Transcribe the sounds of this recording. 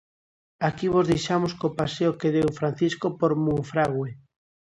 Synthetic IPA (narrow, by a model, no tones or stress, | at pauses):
akiβozðejʃamoskopaseokeðewfɾan̟θiskopoɾmuŋfɾaɣwe